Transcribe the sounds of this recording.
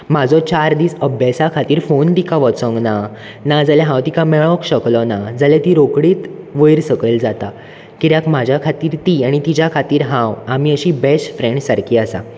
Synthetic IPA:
m̤ad͡zɔt͡ɕaɾd̪iːsəbʱjesakʰat̪iːɾfont̪ikãʋɔt͡sɔ̃ŋɡna | nad͡zalɛɦãwt̪ikãmɛɭɔ̃kɕəklɔnad͡zalɛt̪iːɾokɽiːt̪ | ʋəjɾsəkəld͡zat̪a | kiɾjakm̤ad͡ʑʱjakʰat̪iːɾt̪iaɽ̃it̪id͡ʑjakʰat̪iːɾɦãwam̤iːəɕiːbɛsʈfɾẽɳɖsaɾkʰiːasa̰

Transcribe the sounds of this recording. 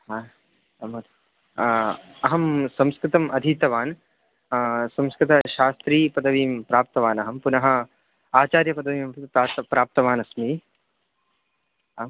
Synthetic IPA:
ɦa | ɐmɐt̪ | ɐɦɐmsɐmskɾɪt̪ɐmʔɐd̪ʱit̪ɐʋaːn | sɐmskɾɪt̪ɐʃaːst̪ɾiːpɐd̪ɐʋiːmpɾaːp̚t̪ɐʋaːnɐɦɐmpunɐɦɐ̆ | aːt͡ʃaːɾjɐpɐd̪ɐʋiːmpaːt̪ɐpɾaːp̚t̪ɐʋaːnɐsmiː | m

